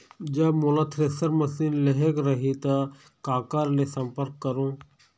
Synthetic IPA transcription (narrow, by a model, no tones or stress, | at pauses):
d͡ʒɐmolaːt̪ʰɾeːsəɾməsiːnleɦekɾəɦit̪ɐ | kaːkaːɾleːsəmpəɾkːəɾoː